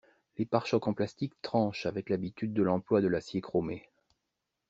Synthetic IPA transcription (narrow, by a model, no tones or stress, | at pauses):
lepaʁʃɔkɑ̃plast̪ikt̪χɑ̃ʃavɛklabit̪yd̪ːəlɑ̃plwad̪əlasjekχome